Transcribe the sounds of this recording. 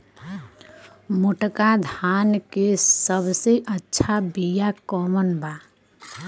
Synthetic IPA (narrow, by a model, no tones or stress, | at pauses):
muʈkad̪ʱankesəbseʔətːʃʰabijakɔmənba